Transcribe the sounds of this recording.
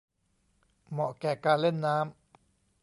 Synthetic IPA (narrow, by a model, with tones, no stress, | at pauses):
mɔ̃˨ʔkɛ˨ka˧le˦nã˦m